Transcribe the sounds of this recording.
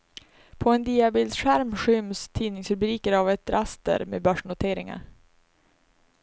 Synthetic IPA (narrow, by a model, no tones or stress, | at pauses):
pʰɔɛnd̪iːabɪld̪ɧæɾmɧʏmst̪ʰiːnɪŋsɾɵbɾiːkəɾavɛt̪ɾʔast̪ə̰ɾmḛːbœʂɳʊt̪ʰeːɾɪ̰ŋa̰ɾ